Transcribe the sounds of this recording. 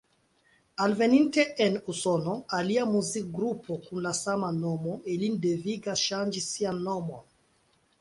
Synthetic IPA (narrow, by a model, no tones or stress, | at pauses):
alveninteʔenusɔnoaliamuzik̚ɡɾupʰokunlasamanɔmoʔelind̪eviɡaʃand͡ʒisianɔmo